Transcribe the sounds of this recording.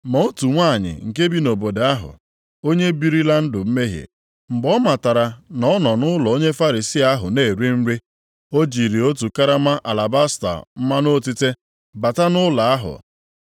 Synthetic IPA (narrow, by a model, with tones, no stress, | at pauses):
ma˨o˦tu˨ŋʷaː˦˨ɲɪ̰˨ŋ̩˨k̬e˦bi˦no˨bo˨da˦ɦʊ̰˨ | o˦ɲe˦bi˦ɾi˦la˦n̩˦dʊ˨m̩˦me˦ɦjḛ˨ | m̩˨ɡ͡bɔ˦ma˨ta˨ɾa˨nɔ˦nɔ˨nʊ˦lɔ˨o˦ɲe˦fa˦ɾi˨si˦a˦ɦʊ̰˨neː˦˨ɾi˦m̩˦ɾe˦ | o˦d͡ʒi˨ɾi˨o˦t̬u˨ka˦ɾa˦ma˦ʔa˨la˨ba˦sta̰˨m̩˦ma˦no˦˨ti˦te˦ | ba˨ta˦nʊ˦la˨a˦ɦʊ̰˨